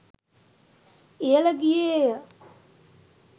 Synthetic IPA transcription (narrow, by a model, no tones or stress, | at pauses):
ejələɡijeːjə